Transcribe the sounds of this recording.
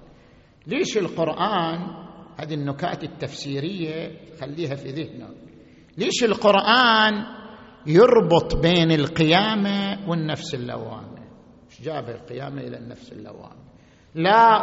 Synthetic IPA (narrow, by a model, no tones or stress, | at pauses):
leːʃɪlqʊɾʔaːnhaːðinːʊka̰ːt̪ɪt̪ːafsiːɾɪjːat̪xalːiːɦafiðɪhno̰k | leːʃɪlqʊɾʔaːn | jʊɾˤbʊt̪ˤbeːnɪlqɪjaːmawɪnːafsɪlːa̰wa̰ːna | ʃd͡ʒaːbhalqɪjaːmaʔɪla̰nːa̰fsɪ̰lːa̰wa̰ːna | la